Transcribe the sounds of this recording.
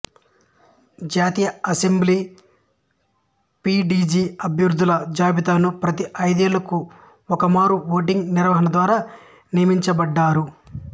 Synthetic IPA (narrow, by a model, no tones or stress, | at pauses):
d͡ʒaːt̪iːjɐɐsembliː | piːɖiːd͡ʒiːɐbʱjɐɾd̪ʱːulɐd͡ʒaːbit̪aːnupɾɐt̪iʔɐjd̪ijɐlɐku | ɔkɐmaːɾuʋoːʈ̬iŋɡniɾʋɐɦɐnɐd̪ʋaːɾaː | nijɐmiɲt͡ʃɐbɐɖːaːɾu